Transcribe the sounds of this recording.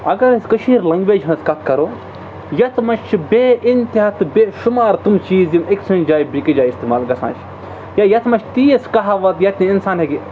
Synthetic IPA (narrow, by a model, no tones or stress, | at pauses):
ɐɡɐɾskəʃʰĩːɾlɐŋɡʋeːd͡ʒɦɐ̃nskɐt̪ʰkɐɾoː | jɐt̪ʰmɐʃt͡ʃʰibeːʔɪnt̪iɐt̪ɨbeːʃumaːɾt̪umt͡ʃiːzimeksunʲd͡ʒaːibikid͡ʒaːist̪imaːlɡɐsa̰ːnt͡ʃ | jajɐt̪ʰmɐʃt̪iːjɐskɐɦaʋɐt̪jɐt̪ʰniinsaːnɦeɡi